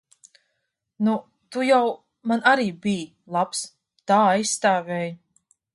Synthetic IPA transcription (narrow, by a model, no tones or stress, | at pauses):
nu | t̪ujaw | manʔaɾiːbij | lˠaps | t̪aːajsːt̪aːvʲɛːj